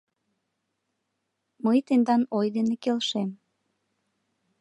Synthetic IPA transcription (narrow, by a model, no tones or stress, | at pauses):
məjt̪end̪ɑnojd̪enekelʃem